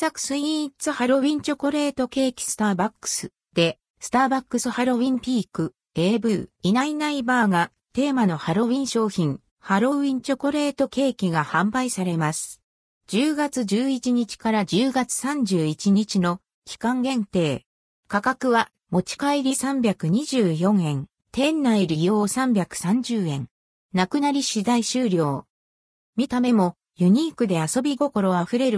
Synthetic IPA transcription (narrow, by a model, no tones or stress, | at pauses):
sakɯ̟̥sɨit͡sɨhaɾo̞βʲĩɲ̟t͡ɕo̞ko̞ɾe̞ːt̪o̞ke̞ːkʲi̥sɨ̥t̪aːbakːɯ̥sɨ | d̪̥e̞ | sɨ̥t̪aːbakːɯsɨhaɾo̞βĩmpʲiːkɯ̟ | e̞ːbɯ̟ːinainaibaːɡa | t̪e̞ːmano̞haɾo̞βʲĩɰ̃ɕo̞ːçĩŋ | haɾo̞ĩɲ̟t͡ɕo̞ko̞ɾe̞ːt̪o̞ke̞ːkʲiɡahãmbaisaɾe̞masɨ̥ | d͡ʑɨːɡat͡sɨd͡ʑɨːit͡ɕiɲ̟it͡ɕi̥kaɾad͡ʑɨːɡat͡sɨ̥sãɲ̟d͡ʑɨːit͡ɕiɲ̟it͡ɕino̞ | kʲi̥kãŋɡẽ̞nt̪e̞ː | kakakɯ̟βa | mo̞t͡ɕi̥kaiɾʲisãmbʲakɯ̟ɲ̟iʑɨːjõ̞ɰ̃ẽ̞n | t̪ẽ̞nːaiɾʲijo̞ːsãmbʲjakɯ̟̥sãɲ̟d͡ʑɨːẽ̞n | nakɯ̟naɾʲiɕizaiɕɨːɾʲo̞ː | mʲit̪ame̞mo̞ | jɯ̟ɲ̟iːkɯ̟d̪e̞aso̞bʲiɡo̞ko̞ɾo̞aɸɯ̟ɾe̞ɾɯ̟